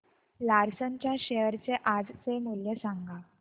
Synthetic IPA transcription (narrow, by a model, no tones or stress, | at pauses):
laɾsəɲt͡ɕjaɕeəɾt͡seʔad͡zt͡semuljesaŋɡa